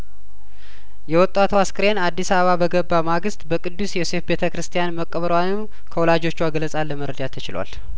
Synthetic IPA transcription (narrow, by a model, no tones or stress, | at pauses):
jɛwɔt̪ʼːat̪ʰuaskɨɾe̞nad̪ːisaβəβabəɡəbːamaɡɨst̪bəkʼɨd̪ːusjɛse̞fbe̞t̪ʰəkɾɨst̪ʰjanməkʼːəβəɾwanɨm | kʰəwɔlad͡ʒo̞t͡ʃːuaɡələsʼalːəməɾəd̪at̪ʰət͡ʃɪlwa̰l